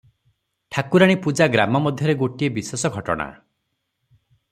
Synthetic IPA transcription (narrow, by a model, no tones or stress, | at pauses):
ʈʰakuɾaɽ̃ipud͡ʒaɡɾamɔmɔd̪ʱjɔɾeɡoʈiebiswesɔɡʱɔʈɔ̰ɽ̃a̰